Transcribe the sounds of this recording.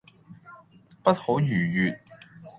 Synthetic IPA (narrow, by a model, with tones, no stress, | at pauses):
pɐ˥t̚ho˨˥wjyː˨˩jyː˨t̚